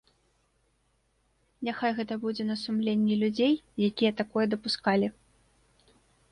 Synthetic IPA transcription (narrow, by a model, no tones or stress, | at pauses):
nʲaxajɣɛt̪ɐbud͡zʲɛnɐsumlʲenʲːɛlʲud͡zʲejjakʲijɐt̪akɔjɛd̪ɐpuskalʲi